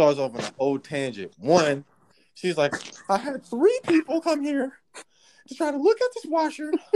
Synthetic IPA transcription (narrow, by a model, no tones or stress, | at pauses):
ɔzɔfə̃nəʔoʊlˠd̚tʰæ̃nd͡ʒɨ̰t̚wʌ̃n | ʃizlaɪkaɪɨd̪̥̚θɹipʰipl̩ˠkʰʌ̃mhiɹ | tʰɨtʰɹ̥aɪɾəlʊkɨt̪̚ðɪswɑʃə˞